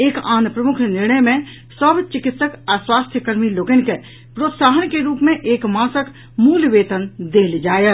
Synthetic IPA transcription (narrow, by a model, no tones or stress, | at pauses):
eːkaːnpɾəmʊkʰnɪɾɳəjmẽ | səbʱt͡ʃɪkɪt̪səkaswaːst̪ʰjəkəɾmiloːɡenke | pɾoːt̪saːɦənkeɾuːpmẽʔeːkmaːsək | muːlʋeːt̪ənd̪eːld͡ʒaːjə